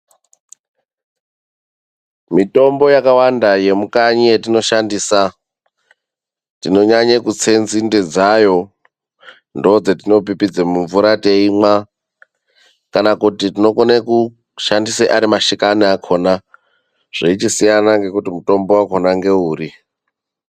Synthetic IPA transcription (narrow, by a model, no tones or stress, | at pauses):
mito̞mbo̞jakawandaje̞mukaɲijetino̞ʃandiːsa | tino̞ɲaɲekut͡se̞nzinded͡zajo̞ | ndod͡zetino̞p̬ipid͡zemuɱvuɾate̞ima | kanakutitino̞koneku | ʃandiseʔaɾimaʃikaniakʰo̞na | ʐ̥eit͡ʃisijanaŋɡe̞kutimuto̞mbowako̞naŋɡe̞uːɾi